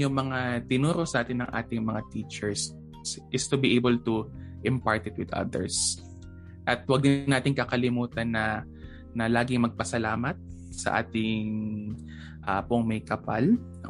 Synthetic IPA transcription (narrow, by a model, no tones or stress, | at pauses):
ʊŋmɐŋat̪ɪnuːɾoʔsɐʔaːt̪ɪnːɐŋʔa̰ːt̪ɪŋmɐŋat̪it͡ʃɛɹs | ʔɪst̪ʊbiʔejbɛlt̪u | ʔɪmpaɹt̪ɪt̪̚wɪd̪ɐ̰d̪ɛ̰ɹs | ʔɐt̪̚wɐɡ̚d̪ɪnːaːt̪ɪŋkɐkɐlɪmuːt̪ɐnːɐ | nɐlaːɡɪŋmɐɡ̚pɐsɐlaːmɐt̪̚ | sɐ̰ʔa̰ːt̪ɪŋ | ʔapoŋmɐjkɐpa̰l